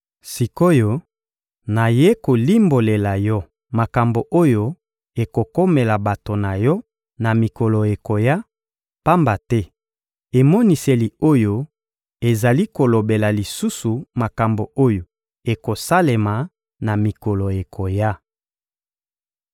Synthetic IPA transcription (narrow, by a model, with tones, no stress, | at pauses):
si˨ko˦jo˦ | na˨je˦ko˨li˦mbo˨le˨la˨jɔ˦ | ma˨ka˨mbo˨ʔo˦jo˦ | e˨ko˨ko˦me˨la˨ba˨to˨na˨jɔ˦ | na˨mi˨kɔ˨lo˨e˨ko˨ja˦ | pa˦mba˨tɛ˦ | e˨mɔ˦ni˨se˨li˨o˦jo˦ | e˨za˨li˦ko˨lo˨be˨la˨li˨su˦su˨ma˨ka˨mbo˨o˦jo˨ | e˨ko˨sa˦le˨ma˨ | na˨mi˨kɔ˨lo˨e˨kʰo˨ja˦